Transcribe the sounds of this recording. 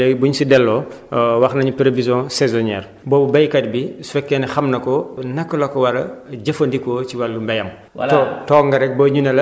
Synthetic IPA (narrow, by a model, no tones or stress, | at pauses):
ɛbuɲsidɛlːɔ | wɐxnɐɲupiɾevizɔ̃sɛzɔnɛ̰ːr | bɔːbubɐjkɐt̚biswɛkːɛnɐxɐmnɐkɔnɐkːɐlɐkɔwɐɾɐɟɐfɐndikɔːt͡ʃiwɐlːumbɛjɐm | tɔːŋɡɐɾɛk̚bɐɲunɐlɐ